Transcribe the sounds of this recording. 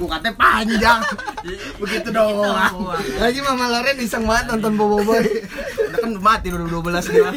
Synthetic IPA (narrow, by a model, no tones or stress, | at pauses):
ɡukat̪ɛpaɲd͡ʒaŋ | bəɡit̪udoŋaŋad͡ʒimamalaɾɛbisaŋmat̪̚ːɔnt̪ɔnbobobaiɔdakanmat̪̚iduɾibuduabəlasɡia